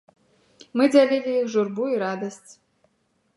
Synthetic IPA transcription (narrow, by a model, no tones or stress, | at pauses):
mɨd͡zʲalʲilʲiixʐurbuiɾad̪ɐsʲt͡sʲ